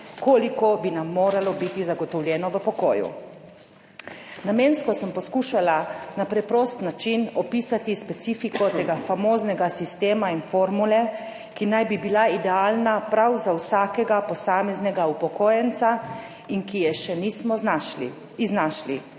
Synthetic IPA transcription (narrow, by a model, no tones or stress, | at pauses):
koːlikobinamːoːɾalɔbit̪izaɡɔt̪ɔwlʲjɛːnɔʋəpɔkoːjṵ | nameːnskɔsəmpɔskuːʃalanapɾɛpɾoːst̪nat͡ʃinɔpiːsat̪ispɛt̪siːfikɔt̪eːɡafamoːznɛɡasist̪eːmainfoːɾmulɛ | kinajbibilaid̪ɛaːlnapɾawzawsaːkɛɡapɔsaːmɛznɛɡaupɔkoːjɛnt̪sa | inkijɛʃɛniːsmɔ | znaʃli